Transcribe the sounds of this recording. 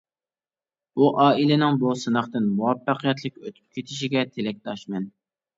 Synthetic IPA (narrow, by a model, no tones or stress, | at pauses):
uʔɑːilɪnɪŋbusɨnɑχt̪ɨnmuwɑpːæqʰijɛt̪ʰlˠɪkʲøt̪ʰy̥p̚kʲʰet̪ʰɪʃiɡʲɛt̪ʰelɛk̚ʲt̪ɑʃmɛn